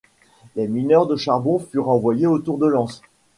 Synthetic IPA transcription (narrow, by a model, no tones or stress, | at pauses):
leminœʁd̪əʃaʁbɔ̃fyʁɑ̃vwajeot̪uʁd̪əlɑ̃s